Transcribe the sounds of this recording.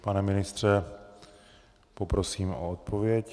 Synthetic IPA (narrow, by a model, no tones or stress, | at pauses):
panɛmɪnɪst̪r̝̥ɛ | popɾosiːmʔo̰ot̪̚pʰovɪjɛc